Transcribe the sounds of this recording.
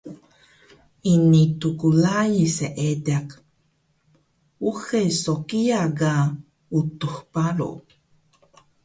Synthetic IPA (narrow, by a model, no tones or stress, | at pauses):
init̪ukulajiseʔed̪eak | uxesokiaɡa | ut̪uxpaɾo̰